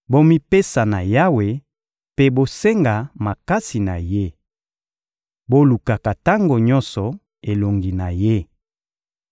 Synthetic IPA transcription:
bo˦mi˦pe˦sa˨na˨ja˦we˨ | pe˦bo˦se˦ŋɡa˨ma˨ka˦si˨na˨je˦ | bo˦lu˨ka˨ka˨ta˦ŋɡo˨ɲɔ̃˦nsɔ˨ | e˨lo˨ŋɡi˨na˨je˦

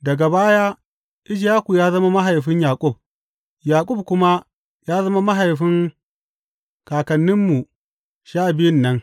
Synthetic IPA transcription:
dɐ˨ɡa˨baː˦jaː˦ | ʔɪ˦d͡ʒjaː˦ku˨jaː˦zɐ˦ma˦ma˦ɦa˨jɸɪ˦ɲjaː˨kʼʊ˦˨b̚ | jaː˨kʷʼʊ˦˨b̚kʷʊ˦ma˦ | jaː˦zɐ˦ma˦ma˦ɦa˨jɸɪ˦ŋ | kaː˨kɐ˨nːɪ˦mːu˨ | ʃaː˦˨bɪ˦jɪ˦˨nːɐ˦ŋ

